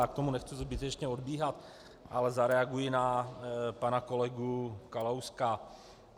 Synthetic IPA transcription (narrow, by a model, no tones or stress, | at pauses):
ak̚t̪o̞munɛxt͡suzbɪt̪ɛt͡ʃɲɛo̞dbiːɦat̪ | ʔalɛzaɾɛaɡujɪna | panako̞lɛɡukalowska